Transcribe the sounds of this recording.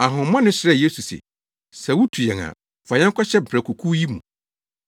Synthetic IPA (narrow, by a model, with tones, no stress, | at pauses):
a˨ɦʊ̃˨m˦mã˦nɪ̃˦ɕɪ˨ɾɛ˦˨je˦su˨sḛ˨ | sɛ˨wu˦tʰu˨jɛ̃˨ŋã̰˨ | fa˨ɲɛ̃˦ŋ˦kʰʷa˦ɕɛ˦m̩˨pʰɾɛ˨kʰu˨kʰu˦ji˦mṵ̃˨